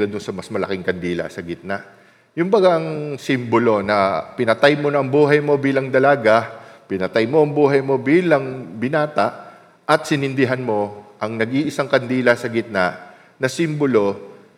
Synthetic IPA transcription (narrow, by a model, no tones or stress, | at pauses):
ɐd̪onsɐmɐsmɐlɐ̰kɪŋkɐnd̪iːlɐ̰sɐɡɪt̪̚naʔ | jʊŋbɐɡaʔɐŋsimbolo̞nɐpɪnɐt̪ajmonɐɐŋbuːɦɐjmo̞biːlɐŋd̪ɐlaɡapɪnɐt̪ajmo̞ʔɐŋbuːɦɐjmo̞biːlɐŋbɪnaːt̪aʔ | ʔɐt̪sɪnɪnd̪ɪɦanmo̞ʔɐŋnɐɡʔiʔɪsaŋkɐnd̪iːlɐsɐɡɪt̪̚naʔ | nɐsimbolo̞